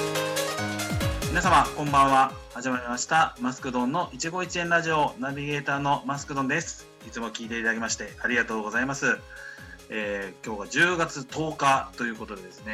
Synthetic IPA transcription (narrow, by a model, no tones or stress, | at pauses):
mʲinas̬amakõ̞mbãɰ̃βahaʑimaɾʲimaɕi̥t̪amasɨ̥kɯ̟d̪õ̞nːo̞ʔit͡ɕiɡo̞it͡ɕiẽ̞nɾaʑio̞naβʲiɡe̞ːt̪aːno̞masɨ̥kɯ̟d̪õ̞nd̪e̞sɨ̥ | it͡sɨmo̞kʲiːt̪e̞it̪ad̪aɡemaɕi̥t̪e̞aɾʲiɡat̪o̞ːɡo̞zaimasɨ | eːkʲo̞ːɡad͡ʑɨːɡat͡sɨt̪o̞ːkat̪o̞jɯ̟ːko̞t̪o̞d̪e̞d̪e̞sɨne̞